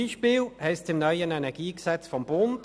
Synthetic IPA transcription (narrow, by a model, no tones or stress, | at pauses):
iːʃpɪːlhɛɪst͡sɪmnœʏənɛnɛɐɡ̥iːksɛt͡sfɔmb̥ʊnd